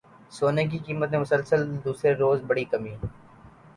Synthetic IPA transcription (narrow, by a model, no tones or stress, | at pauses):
soːnek̬ikiːmət̪̚mẽmʊsəlsəld̪uːsɾeɾoːzbɐɽikɐmiː